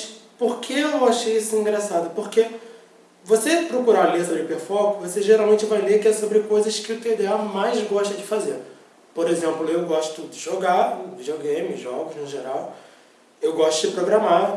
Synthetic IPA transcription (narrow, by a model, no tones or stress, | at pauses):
poɾkʰeewaʃejisʊĩŋɡɾasad̪ʊpoɾke | vosepɾokuɾalehsobɾɪpeɾfɔkʊvoseʒeɾawmẽnt͡ʃɪvajlekɪɛsobɾɪkojzɐskɪʊt̪ed̪eamajzɡɔʃt̪ɐd͡ʒɪfazeɾ | poɾezẽmplʊewɡɔʃt̪ʊ̥t̪ʊd͡ʒɪʒoɡavid͡ʒioɡẽmɪʒɔɡʊznʊʒeɾaw | ewɡɔʃt̪ʊd͡ʒɪpɾoɡɾama